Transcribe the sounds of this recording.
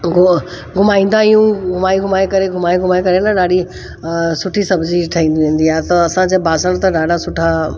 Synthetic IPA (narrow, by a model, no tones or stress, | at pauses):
ɡ | ɡʱʊmaːĩːnd̪aijũɡʱʊmaːiɡʱʊmaːekɐɾeɡʱʊmaːiɡʱʊmaːekɐɾenaɗaːɽi | sʊʈʰisɐbd͡ʑiʈʰɐɦĩːnd̪iɪ̃n̆d̪iaːt̪ɐɐsãd͡ʑebaːsəɽ̃t̪ɐɖaːɖasʊʈʰa